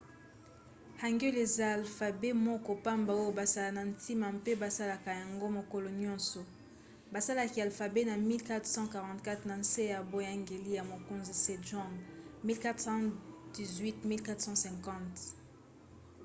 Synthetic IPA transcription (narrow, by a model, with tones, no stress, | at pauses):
ha˨ŋɡɛ˦le˨za˦˨lfa˨be˦mɔ˦kɔ˦pa˦mba˨o˦jo˦ba˨sa˦la˨na˨ntʰi˦ma˨mpe˦ba˨sa˦la˨ka˨ja˨ŋɡo˦mo˨ko˨lɔ˨ɲɔ̃˦nsɔ˨ | ba˨sa˦la˨ki˨a˨lfa˨be˦na˨mi˦lka˦tχsɑ̃˦ka˨ʁɑ̃˨tka˦tna˨n̩˦se˦ja˨bo˦ja˦ŋɡe˨li˦ja˨mo˨ko˨nzi˨se˨dɔ̃˦˨ŋɡmi˦lka˦tsɑ̃˦d̥i˨zwi˦tmi˦lka˦tsɑ̃˦sɛ̃˨ŋkɑ̃˦˨t